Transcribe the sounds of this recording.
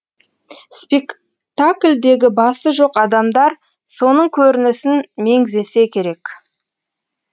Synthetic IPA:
spek | t̪aklʲd̪e̞ɡʲɪbɑsəʒo̞qɑd̪ɑmd̪ɑɾ | so̞nəɴkʲʰɵɾɪnɪsɪnme̞ŋze̞se̞kʲʰe̞ɾe̞k

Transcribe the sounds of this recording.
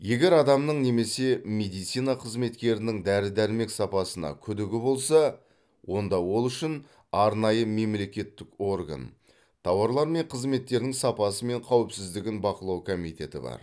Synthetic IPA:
je̞ɡʲe̞ɾɑd̪ɑmnəɴne̞me̞se̞med̪ijt̪sijnɑqʰəzme̞t̪kʲe̞ɾɪnɪŋd̪æɾɪd̪æɾme̞ksɑpɑsənɑ̰kʲʰʏd̪ɪɡʲɪbo̞lˠsɑ | wo̞nd̪ɑwo̞lˠʏʃɪn | ɑɾnɑjəme̞mle̞kʲe̞t̪ːɪko̞rɡa̰n | t̪ʰɑwɑɾlˠɑɾme̞ɴqʰəzme̞t̪ːe̞ɾd̪ɪŋsɑpɑsəme̞ɴqʰɑwɪpsɪzd̪ɪɡʲɪnbɑqəlˠɑwkʰo̞mijt̪ʲe̞t̪ɪ̰bɑ̰ɾ

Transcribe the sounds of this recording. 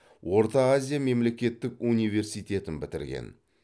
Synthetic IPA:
wo̞ɾt̪ɑazʲijame̞mle̞kʲe̞t̪ːɪkunijve̞ɾsijt̪e̞t̪ɪnbɪt̪ɪɾɡʲḛn

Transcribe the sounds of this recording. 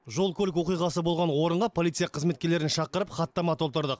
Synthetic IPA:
ʒo̞lˠkʲʰɵlʲɪkwo̞qijʁɑsəbo̞lˠʁɑnwo̞ɾəɴʁɑpʰolʲˠit̪sɨjɑqʰəzme̞t̪kʲe̞ɾle̞ɾɪnʃɑqəɾəpχɑt̪ːɑmɑt̪ʰo̞lˠt̪əɾd̪əq

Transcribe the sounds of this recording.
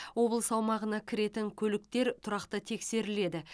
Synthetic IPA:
wo̞blˠəsɑwmɑʁənɑkʲʰɪɾe̞t̪ɪŋkʲʰɵlɪk̚t̪e̞ɾt̪ʰʊɾɑqt̪ət̪ʰe̞kse̞ɾɪle̞d̪ɪ

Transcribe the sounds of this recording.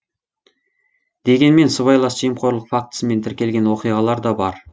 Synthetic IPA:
d̪̥e̞ɡʲe̞nme̞nsəβɑjlˠɑsʒijəmqʰo̞ɾlˠəqfak̚t̪ə̥səme̞nt̪ʰɪɾkʲe̞lɡʲe̞nwo̞qijʁɑlˠɑɾd̪ɑbɑɾ

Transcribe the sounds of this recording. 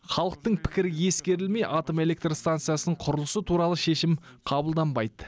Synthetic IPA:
χɑlˠəq̚t̪əɴpʰɪ̥kʲɪɾɪje̞skʲe̞ɾɪlme̞jʔɑt̪ome̞le̞k̚t̪rst̪ant̪sɨjasənəɴqʰʊɾəlˠəsət̪ʰuɾɑlˠəʃe̞ʃɪm | qʰɑbəlˠd̪ɑnbɑjd̪ə

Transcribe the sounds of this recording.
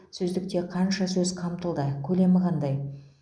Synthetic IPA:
sɵzd̪ɪk̚t̪e̞qʰɑnʃɑsɵzqʰɑmt̪əlˠd̪əkʲʰɵle̞mɪʁɑnd̪ɑj

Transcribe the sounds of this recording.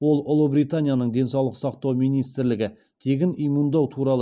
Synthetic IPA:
wo̞lˠʊlˠubɾijt̪anʲijanəɴd̪e̞nsɑwlˠəqsɑqt̪ɑwmijnijst̪ɪɾlɪɡʲɪ | t̪ʰe̞ɡʲɪnijmund̪ɑwt̪ʰuɾɑlˠə

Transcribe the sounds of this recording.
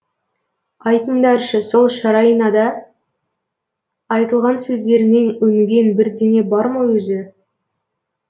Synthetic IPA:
ɑjt̪ənd̪ɑɾʃəso̞lˠʃɑɾɑjənɑd̪ɑ | jt̪əlˠʁɑnsɵzd̪e̞ɾɪne̞ŋwɵŋɡʲe̞nbɪɾd̪e̞ne̞bɑɾməwɵzɪ

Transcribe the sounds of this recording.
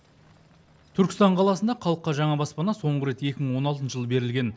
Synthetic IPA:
t̪ʰʏɾkʲɪ̥st̪ɑɴqʰɑlˠɑsənd̪ɑqʰɑlˠəqːɑʒɑɴɑbɑspɑnɑso̞ɴʁəɾe̞t̪e̞kʲɪməɴwo̞nɑl̬ˠənəʒəlˠəbe̞ɾɪlɡʲe̞n

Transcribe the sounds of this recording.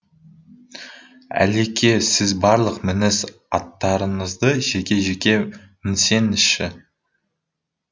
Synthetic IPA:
æ̰lekʲʰe̞sɪzbɑɾlˠəqmɪnɪz | ɑt̪ːɑɾəɴəzd̪əʒekʲe̞ʒekʲe̞ | mɪnse̞nɪʃɪ

